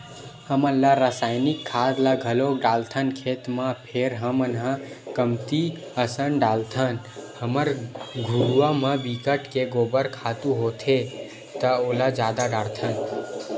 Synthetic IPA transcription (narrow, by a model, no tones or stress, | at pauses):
həməlːaɾəsaːjnɪkʰːad̪laɡʱəloɖalt̪ʰənkʰet̪mãpʰeɾɦəmənɦã | kəmt̪i | əsənɖalt̪ʰən | həməɾɡʱuɽuwamãbikəʈkeɡoːbəɾkʰat̪uɦot̪ʰe | t̪əolad͡ʒad̪aɖaɽt̪ʰən